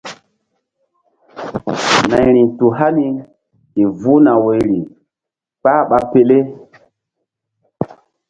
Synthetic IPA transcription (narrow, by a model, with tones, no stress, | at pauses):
na˨jɾi˨tu˨ɦa˦ni˨ | i˨vu˦na˨wo˨jɾi˨ | k͡pa˦ɓa˨pe˨le˦